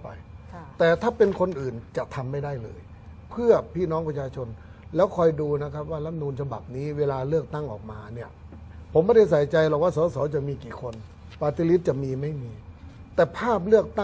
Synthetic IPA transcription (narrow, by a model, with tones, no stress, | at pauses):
pa̰˧jt̪ɛː˨˩t̪ʰaː˥˩pe˧nkʰo˧nʔɯː˨˩nt͡ɕa˨˩t̪ʰa˧mːa˥˩jda˥˩jlɤ̰ː˧j | pʰɯ˥˩ɐpʰiː˥˩nɔː˦˥ŋpt͡ɕʰaː˧t͡ɕʰo˧n | lɛː˦˥wkʰɔː˧jduː˧na˦˥kʰa˦˥p̚waː˥˩la˦˥m̚nuː˧nt͡ɕʰa˧ba̰˨˩p̚niː˦˥weː˧laː˧lɯ˥˩ək̚t̪a˥˩ŋʔɔ̰ː˨˩k̚maː˧ni˥˩ɐ | pʰo˩˦mbɔː˧˥˩ɾa˥˩jsa˨˩˦jt͡ɕa˧jlɔ˨˩kwaː˥˩sɔː˨˦sɔː˩˦t͡ɕa˨˩miː˧kiː˨˩kʰo˧n | paː˧t̪ʰi˧li˦˥t̪̚t͡ɕa˨˩miː˧ma˥˩jmiː˧ | t̪ɛː˨˩pʰaː˥˩p̬̚lɯ˥˩ək̚t̪a˥˩